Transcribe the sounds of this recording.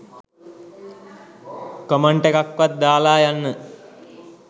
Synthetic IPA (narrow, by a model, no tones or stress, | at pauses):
koməɳʈekakʋat̪̚d̪aːlaːjanːə